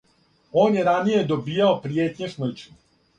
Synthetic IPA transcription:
o̞ːnjeɾanije̞d̪obiːjaopɾijeːt̪ɲesm̩t͡ʃu

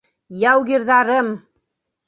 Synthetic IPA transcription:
jɑwɣiɾðɑɾɤm

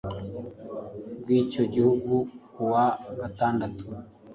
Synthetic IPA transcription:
ɡwiːcoɟihuɡukuwaɡataːndatu̥

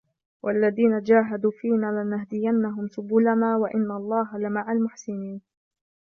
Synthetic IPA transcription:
wʔalːaðiːnad͡ʒaːɦad̪uːfiːnaːlɪnaɦd̪ɪjanːaɦʊmsʊbuːlanaːwaʔɪnːalˤːɑːɦalɪmaʕalmʊħsɪniːn

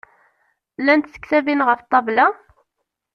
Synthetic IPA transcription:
lænt̪sə̥kθævinʁəft̪ˤːɑvla

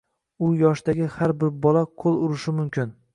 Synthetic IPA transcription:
ʊjɒʃd̪aɡʲɪhaɾbɪɾbɒlaqʰolˠʊɾɪʃɪmʊmkʲʰɪn

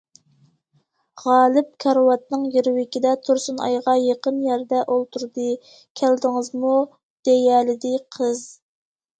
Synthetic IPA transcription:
ʁɑːlˠɨp̚kʰɑɾwɑt̪̚nɨŋjeɾwɪkʲid̪ɛt̪ʰuɾsunɑ̰jʁɑjeqənjæɾd̪ɛʔolˠt̪ʰuɾd̪ɨ | kʲʰæld̪ɪŋəzmu | d̪̥ejɛlɪd̪ɪqʰəz

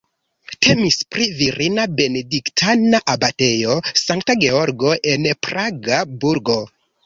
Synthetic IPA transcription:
tʰe̞mispɾiviɾʔinabe̞ne̞diktʰanaʔabate̞jo̞saŋk̚taɡe̞o̞ɾɡo̞ʔe̞npɾaɡabuɾɡo̞

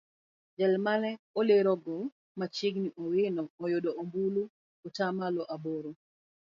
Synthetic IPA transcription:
d͡ʒɛlmanɛoleɾɔɡɔ | mat͡ʃɪɡniʔɔwɪnɔːjodɔombulu | otamalɔʔaboɾo

